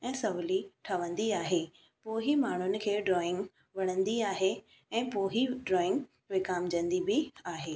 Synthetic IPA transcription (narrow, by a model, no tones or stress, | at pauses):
ɛ̃ːsɐʋliʈʰɐʋə̃nd̪iaːɦeː | poːɦimaːɳ̤ʊnɪ̆kʰeːɖɾɔːɪ̃ŋɡ | ʋɐɽ̃ə̃nd̪iaːɦe | ɛ̃ːpoːɦiɖɾɔːɪ̃ŋɡ | ʋekaːmd͡ʑə̃nd̪ibɪaːɦeː